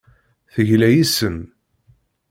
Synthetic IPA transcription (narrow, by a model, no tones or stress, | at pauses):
θəʝlæjisən